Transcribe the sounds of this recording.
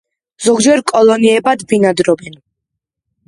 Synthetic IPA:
z̥ɔɡd͡ʒɛɾkʼɔlˠɔniɛbad̪binad̪ɾɔbɛn

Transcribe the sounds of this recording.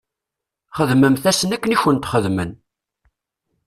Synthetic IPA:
χəðməmθæsənækːəniçənt̪χəðmən

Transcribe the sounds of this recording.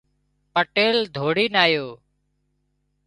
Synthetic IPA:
pəʈeːld̪ʱoːɽiːnaːjoː

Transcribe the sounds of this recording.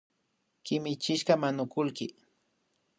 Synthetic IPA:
kɪmɪt͡ʃɪʃɢɑmanʊkʊlkɪ

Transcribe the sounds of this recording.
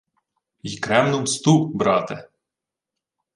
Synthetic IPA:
ikɾɛmnɔmst̪ubɾɑt̪e

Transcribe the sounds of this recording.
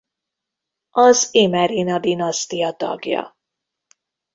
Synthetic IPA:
ʔɒzemɛɾinɒd̪inɒst̪ijɒt̪ɒ̰ɡjɒ̰

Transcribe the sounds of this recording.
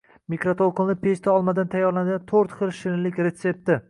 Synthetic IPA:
mikɾot̪ʰolˠqɨlˠnɪpʰest̪ʰaɒlˠmad̪ant̪ʰajːɒɾlanɪɡʲant̪ʰoɾt̪χɨlˠʃɪnlɪkʲɾe̞t̪se̞p̚t̪ɪ

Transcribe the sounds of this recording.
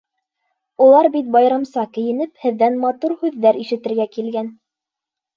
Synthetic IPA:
ulˠɑɾbit̪̚bɑjɾɑmsɑkɘ̆jɘ̆nɘphɘ̆ðːænmɑt̪uɾhʉðːæɾiʃɘ̆t̪ɘ̆ɾɡækilɡæn

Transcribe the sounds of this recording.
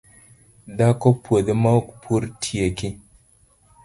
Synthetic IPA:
dakopwodemawpʰuɾtʰijeki

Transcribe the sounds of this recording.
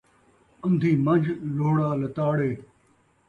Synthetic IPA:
ɐ̃md̪ʱiːmɐ̃nd͡ʒʱloːɽaːlɐt̪aːɽeː

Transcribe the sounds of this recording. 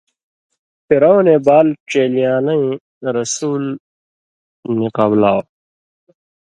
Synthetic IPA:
piɾownebaːlʈ͡ʂeːlijaːnɐĩ | ɾɐsuːl | niqablaːw

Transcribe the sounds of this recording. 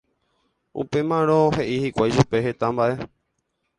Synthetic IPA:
ṵpe̞mãɾ̃õhe̞ʔihikʷajʃupe̞ɦe̞t̪ambaʔe̞

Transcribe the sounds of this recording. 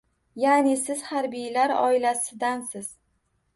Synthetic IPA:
janɪsɪz̥haɾbijlaɾɒ̰ɪlasɪd̪ansɪz̥

